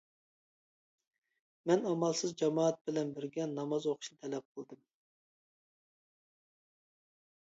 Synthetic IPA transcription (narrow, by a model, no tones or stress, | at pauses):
mɛnɑmɑlˠsɨzd͡ʒɑmɑːt̪̚bɪlɛnbɪɾɡʲɛnːɑmɑzoqʰʊ̥ʃnɨt̪ʰɛlɛp̚qʰəlˠd̪ɨm